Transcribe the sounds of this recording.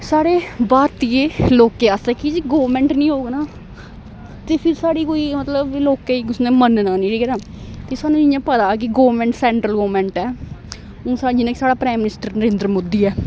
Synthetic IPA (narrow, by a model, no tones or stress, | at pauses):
saːɽeːbaːɾt̪ieːloːkẽːasɛːkid͡ʒiɡoːɾmɛ̃ːɳʈnĩːɦoːɡnaː | t̪eːpʰɪɾsaːɽiːkoːiːmət̪ləbloːkːeːikʊsnẽːmənnaːnĩːʈiːkɛɾãː | t̪eːsaːnũːd͡ʒɪjãːpəd̪aːk̬ɪɡoːʋəɾmɛ̃ːɳʈsɛ̃ːɳʈɾəlɡoːmɛ̃ːɳʈɛː | oːsad͡ʒɪnãːkisaːɽaːpɾaːmːɪnɪsʈəɾnəɾẽːnd̪ɾəmoːd̪iːɛː